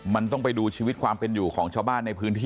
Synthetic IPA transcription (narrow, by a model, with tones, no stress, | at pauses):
ma˧nt̪ɔ˥˩ŋpa˧jduː˧t͡ɕʰiː˧wi˦˥t̪̚kʰwaː˧mpe˧njuː˨˩kʰɔː˩˦ŋt͡ɕʰaː˧wbaː˥˩nːa˧jpʰɯː˦˥nt̪ʰiː˥